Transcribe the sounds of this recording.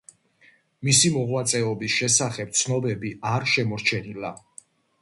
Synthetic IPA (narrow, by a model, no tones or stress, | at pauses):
misimɔʁwat̪sʼɛɔbisʃɛsaχɛp̚t̪sʰnɔbɛbiaɾʃɛmɔɾt͡ʃʰɛnila